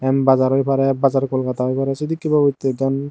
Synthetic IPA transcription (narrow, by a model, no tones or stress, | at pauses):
ɛmbazaɾojpʰaɾɛbazaɹkɔlkataɦojpʰaɾɛsid̪ikːibabojt̪ːeɡan